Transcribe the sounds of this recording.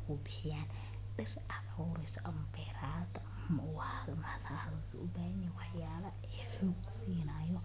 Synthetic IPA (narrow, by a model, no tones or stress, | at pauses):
ʊːbɪħɪjaːn | ɖɪr | ad̪ɔwɾɛjsɔʔɐmɐbɛːɾaːt̪ɐ | m | msahɐðɐlkʰɐʔʊbaːhɐjɛwɑħjaːlɐ | ɛːħɔɡsiːnajɔ